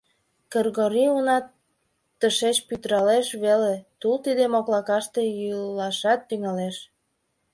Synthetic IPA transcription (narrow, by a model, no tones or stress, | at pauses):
kərɣoɾiunɑt̪ː | əʃeʃpyt̪ɾɑleʃβelet̪ult̪id̪emoklɑkɑʃt̪e̽jylɑʃɑt̪ːyŋɑleʃ